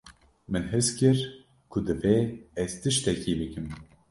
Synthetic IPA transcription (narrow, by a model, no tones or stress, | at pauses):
mɨnɦɨskɨɾ | kʰʊd̪ɨveɛz̥t̪ɨʃt̪ɛkiːbɨkɨm